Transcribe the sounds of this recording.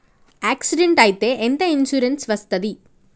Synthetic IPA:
aːksɪɖeɳʈaːjt̪ːeːʔend̪ɐɪnsuɾɐnsʋɐst̪ɐd̪i

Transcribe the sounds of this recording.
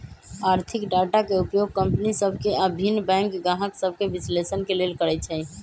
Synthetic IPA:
aɾt̪ʰikɖaʈakeupjoɡ̚kəmpnisəbʱkeəbʱinːbɛ̃ŋkɡaɦəksəbʱkebislesənkelelkəɾɛt͡ʃʰɛ

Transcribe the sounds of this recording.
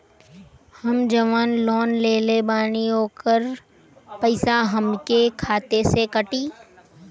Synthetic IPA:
hɐmd͡ʒɐʋaːnlɔːnleːlebaːñiɦoːkəɾ | pɐɪsaɦɐmkekʰaːt̪esekɐʈiː

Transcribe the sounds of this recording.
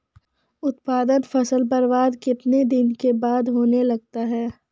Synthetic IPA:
ʊt̪paːd̪ənfɐsəlpəɾʋaːd̪kɪt̪ned̪ɪnkebaːd̪ɦoːnelɐɡ̚t̪aɦɛː

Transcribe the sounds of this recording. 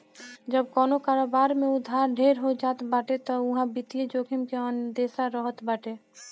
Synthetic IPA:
d͡ʒəb̚kɔːnokaːɾoːbaːɾmẽʊd̪ʱːaːɾɖʱeːɾɦod͡ʒaːt̪baːʈet̪ɔʊɦãbit̪ied͡ʒoːkʰimkeənd̪eːsaɾəɦət̪baːʈe

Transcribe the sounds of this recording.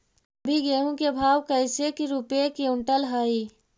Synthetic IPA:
əbʱiɡeːɦõkebʱaːwkəɪsekiɾupekiʊ̃ɳʈəlɦaːiː

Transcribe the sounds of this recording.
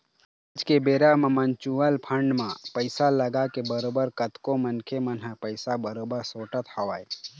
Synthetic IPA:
d͡ʒkebeːɾamãmənt͡ʃuəlpʰə̃ɳɖmãpəɪsaləɡakebəɾoːbəɾkət̪kõmənkʰemənɦəpəɪsabəɾoːbəɾsoːʈət̪hɐʋaːj

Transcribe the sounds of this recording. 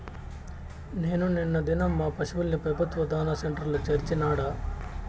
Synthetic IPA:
neːnuninːɐd̪inɐmːaːpɐʃiʋulnipɐbʱɐt̪ʋɐd̪ʱaːnɐseɳʈɾɐlut͡ʃeɾt͡ʃinaːɽɐ

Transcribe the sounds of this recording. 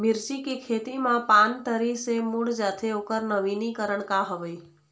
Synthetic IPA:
mɪɾt͡ʃikikʰet̪imãpant̪əɾisemuɽd͡ʒat̪ʰeokəɾnəʋinikəɾəɳkaɦəʋe

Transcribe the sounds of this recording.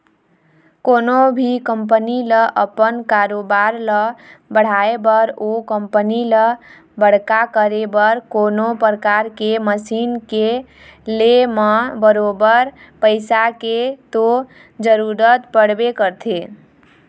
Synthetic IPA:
konobʱikəmp̬əniləʔəpənkaɾobaɾləbəɽ̤aebəɾokəmpənilə | bəɽ̤kakəɾebəɾkonopɾəkaɾkeməsinke | leməbəɾobəɾ | pəɪsaket̪o | d͡ʒəɾuɾət̪pəɽbekəɾt̪ʰe

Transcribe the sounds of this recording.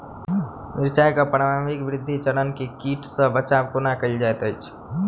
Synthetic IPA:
mɪɾt͡ʃajkapəɾaaʋikʋɾɪd̪ʱːit͡ʃəɽənkikiːʈʰsə̃bət͡ʃabkunakəild͡ʒajt̪ət͡ʃʰ

